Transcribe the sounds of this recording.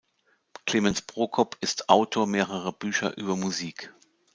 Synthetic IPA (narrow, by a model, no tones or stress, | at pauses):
kl̥emɛnsb̥ʁoːkʰɔpʰɪstʔaʊtʰoːɐmeːʁəʁəbyːçɐ̰ʔyːbɐmuziːk